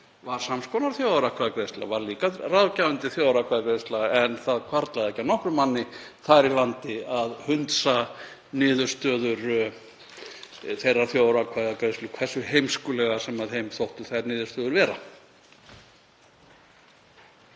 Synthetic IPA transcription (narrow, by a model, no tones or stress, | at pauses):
vaɾ̥samskʰɔnaɾθjoːwðɾakʰvaðkɾejst̪la̰vaɾliːkaraðvcawʏnt̪ɪθjoːwðɾakʰvaðkɾejst̪laɛnθaðkʰvaɾt̪laðɛhcːanɔhkɾʏmanːɪθaɾilant̪ɪaðhʏnt̪sa | nɪːðʏɾ̥st̪œːðʏɾ | θejrːaɾ̥θjoːwðɾakʰvaðakɾejst̪lʏkʰvɛrsːʏɦejmskʏlɛɣasɛmaðhejmθowht̪ʏθaɾnɪːðʏ̥st̪œːðʏɾvɛːɾa